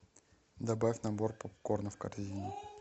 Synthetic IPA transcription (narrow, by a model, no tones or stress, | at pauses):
d̪ɐbafʲnɐborpopkornəfkɐ̰rzʲinʲɪ